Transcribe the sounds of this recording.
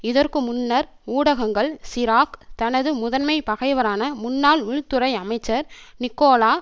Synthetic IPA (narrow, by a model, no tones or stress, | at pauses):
ɪðɐrkɯmʊnːɐɾ | uːɽɐɣɐŋɡɐɭsɪɾaːkt̪ɐnɐðɯmʊðɐnmɐɪpɐɣɐɪʋɐɾaːnɐmʊnːaːlʋɪɻt̪ːɯɾɐɪɐmɐɪt͡ʃːɐɾnɪkːoːlaː